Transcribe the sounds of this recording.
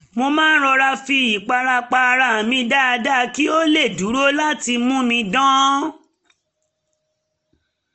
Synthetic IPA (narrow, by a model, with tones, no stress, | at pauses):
mo˧mã˦n̩˦ɾɔ˧ɾa˧fi˧i˨k͡pa˧ɾa˧k͡pa˧ɾa˨mĩ˧da˦a˧da˦˨ki˦o˦le˦˨du˨˦ɾo˦la˦ti˧mũ˦mĩ˧dɔ̃˦